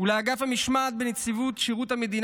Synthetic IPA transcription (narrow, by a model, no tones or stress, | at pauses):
uleaɡafhamiʃmat̪̚benet͡sivut̪ʃiʁuthame̞d̪in